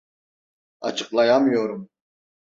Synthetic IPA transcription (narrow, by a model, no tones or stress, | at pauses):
ɑ̰t͡ʃʰɨqlˠɑjɑmjoɾum